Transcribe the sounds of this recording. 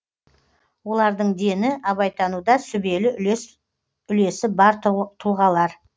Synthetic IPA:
wo̞lˠɑɾd̪əɴd̪e̞nɪʔɑβɑjt̪ɑnud̪ɑsʏbe̞lɪ | ʏle̞sɪbɑɾt̪ʰuʁɑlˠɑɾ

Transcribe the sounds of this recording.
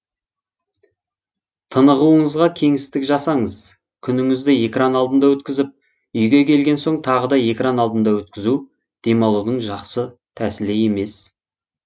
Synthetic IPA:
t̪ʰənəʁuəɴəzʁɑkʲʰe̞ŋɪst̪ɪkʒɑsɑɴəz̥ | kʲʰʏnɪŋɪzd̪ɪe̞kranɑlˠd̪ənd̪ɑwɵt̪kʲɪzɪp̚ | ʏjɡʲe̞kʲʰe̞lɡʲe̞nso̞ɴt̪ʰɑʁəd̪ɑje̞kranɑlˠd̪ənd̪ɑwɵt̪kʲɪzu | d̪̥e̞mɑlˠud̪əɴʒɑqsət̪ʰæsɪleje̞me̞s

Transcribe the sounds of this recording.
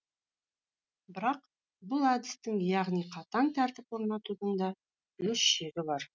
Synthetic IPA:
bɪɾɑq | bʊlˠad̪ɪst̪ɪŋjɑʁnijqʰɑt̪ɑŋt̪ʰæɾt̪ɪpwo̞ɾnɑt̪ud̪əɴd̪ɑ | wɵsʃeɾʲɪbɑɾ

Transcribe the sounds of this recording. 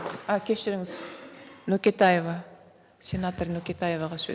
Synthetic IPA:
akʲʰe̞ʃɪɾɪŋɪznokʲe̞t̪aje̞vɑ | sʲe̞nat̪ornokʲe̞t̪ʰaje̞vɑʁɑsɵ̰

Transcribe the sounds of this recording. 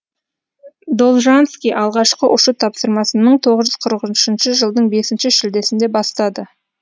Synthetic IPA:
d̪olˠʒanskʲijʔɑlˠʁɑʃqəʔʊʃət̪ʰɑpsəɾmɑsənːəɴt̪ʰo̞ʁəzʒʏzqʰəɾəqʒnʃɪnʃəʒəlˠd̪əɴbe̞sɪnʃɪʃɪld̪e̞sɪnd̪e̞bɑst̪ɑd̪ə

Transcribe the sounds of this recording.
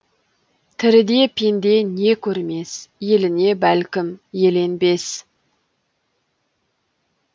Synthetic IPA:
t̪ʰɪɾɪd̪e̞pʰend̪e̞ne̞kʲʰɵɾme̞sje̞lɪne̞bælkʲɪmje̞le̞nbe̞s

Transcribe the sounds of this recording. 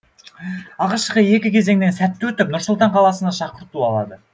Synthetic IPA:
ɑʁɑʃəqəje̞kʲɪkʲʰe̞ze̞ŋne̞nsæt̪ːwɵt̪ɪp̚nʊɾsʊlˠt̪ɑɴqʰɑlˠɑsənɑʃɑqəɾt̪uɑ̰lˠɑ̰d̪ə

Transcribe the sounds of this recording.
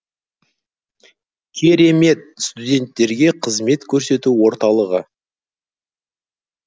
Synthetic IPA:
kʲʰe̞ɾe̞me̞t̪̚st̪ud̪ʲe̞nt̪ːe̞ɾɡʲe̞qʰəzme̞t̪kʲʰɵɾse̞t̪uwo̞ɾt̪ɑlˠəʁə

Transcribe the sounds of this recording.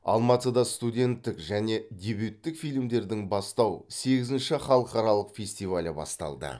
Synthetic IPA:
ɑ̰lˠmɑt̪əd̪ɑst̪udʲe̞nt̪ːɪkʒæne̞d̪ʲe̞bjut̪ːɪkfijlʲmd̪e̞ɾd̪ɪŋbɑst̪ɑwse̞ɡʲɪzɪnʃɪχɑlˠəqɑɾɑlˠəqfʲe̞sʲt̪ijvalʲɪbɑ̰st̪ɑ̰lˠd̪ə̰

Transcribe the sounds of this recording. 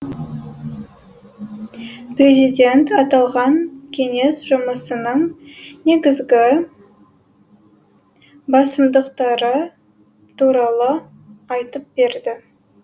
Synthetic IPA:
pre̞zijd̪e̞nt̪ɑt̪ɑlˠʁɑŋkʲʰe̞ŋe̞sʒ̥ʊməsənəɴne̞ɡʲɪzɡʲɪ | bɑsəmd̪əqt̪ɑɾə | t̪ʰuɾɑlˠə | ɑjt̪əp̚be̞ɾd̪ɪ

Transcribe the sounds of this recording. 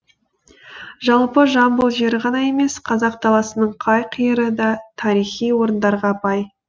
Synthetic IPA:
ʒɑlˠpəʒɑmbəlˠʒeɾʁɑnɑje̞me̞sqʰɑzɑq̚t̪ʰɑlˠɑsənəɴqʰɑjqʰijəɾəd̪ɑt̪ʰɑɾijχijwo̞ɾənd̪ɑɾʁɑpɑj

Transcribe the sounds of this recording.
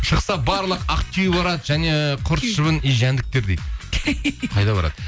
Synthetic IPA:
ʃəqsɑbɑɾlˠəqɑqt̪ʲʰijbɑɾɑd̪ʒæne̞qʰʊɾsʃəβənijʒænd̪ɪk̚t̪e̞ɾd̪ejd̪ | qʰɑjd̪ɑbɑ̰ɾɑ̰d̪̥ə

